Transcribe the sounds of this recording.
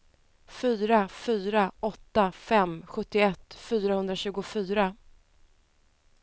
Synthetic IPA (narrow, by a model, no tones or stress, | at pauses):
fyːɾafyːɾaʔɔt̪ːafɛmɧɵt̪ːɪɛt̪ːfyːɾahɵnd̪ɾaɕʉ̟ːɡʊfyːɾa